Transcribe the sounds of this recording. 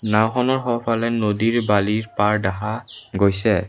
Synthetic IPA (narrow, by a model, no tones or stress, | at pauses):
nawxɔnɔɹxɔpʰalɛnodiɹbaliɹpaɹdaɦaɡojsɛ